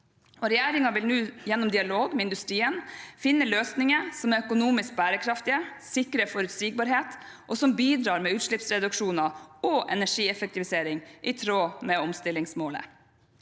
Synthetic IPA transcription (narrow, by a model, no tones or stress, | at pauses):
ʔɔɾɛjæːɾɪŋɑʋɪlnʉːjɛnːɔmd̪ɪɑloːɡmɛɪnd̪ʉst̪ɾiːənfɪnːəløːsnɪŋəsɔmæɾœkʊnuːmɪsk̚bæːɾəkʰɾɑft̪ɪəsɪkɾəfɔɾʉt̪siːɡ̚bɑɾɦeːt̪ | ʔɔsɔmbiːd̪ɾɑːɾmɛʉːt̪ʂɭɪpsɾɛd̪ʉkʂuːnɑɔʔɛ̰næʂiːɛfək̚t̪ɪʋɪseːɾɪŋʔɪt̪ʰɾoːmɛɔmst̪ɪlːɪŋsmoːlə̰